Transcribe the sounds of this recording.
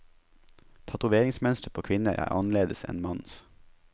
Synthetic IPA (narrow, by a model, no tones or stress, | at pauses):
t̪ʰɑt̪ʊʋeːɾɪŋsmœnst̪əpʰoːkʰʋɪnəɾʔæ̰ːɾʔɑnleːd̪əsɛ̰nmɑns